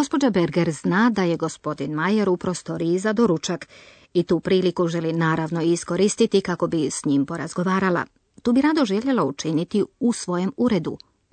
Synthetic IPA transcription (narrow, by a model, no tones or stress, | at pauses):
ɡo̞spo̞d͡ʒabeɾɡeɾznaːd̪aje̞ɡo̞spo̞d̪inmajeɾupɾo̞st̪o̞ɾiːzad̪o̞ɾut͡ʃak | it̪uːpɾiːlikuʒe̞linaːɾaʋno̞isko̞ɾist̪it̪ikako̞bisɲimpo̞ɾazɡo̞ʋaːɾala̰ | t̪uːbiɾaːd̪o̞ʒeʎe̞laut͡ʃinit̪iusʋo̞je̞muɾe̞d̪ṵ